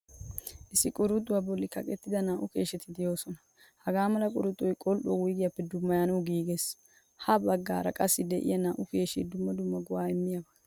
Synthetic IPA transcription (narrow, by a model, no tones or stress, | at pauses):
ʔɪsːɪkʼʊɾʊt̪ʼːʊwaːbɔlːɪkɐkʼɛt̪ːɪd̪ɐnaːʔʊke̞ːʃɛt̪ɪd̪ɪjo̞ːsɔnɐ | hɐɡaːmɐlɐkʼʊɾʊd̪ʼːɔjkʼɔlʔɔːwʊjɡɪjɐpːɛd̪ʊmːɐjaːnɐwɡiːɡes | hɐbɐɡːa̰ːɾɐkʼɐsːɪd̪ɛʔɪ̰jɐnaːʔʊke̞ːʃḛd̪ʊmːɐd̪ʊmːɐɡɔwaːɪmːɪjabɐ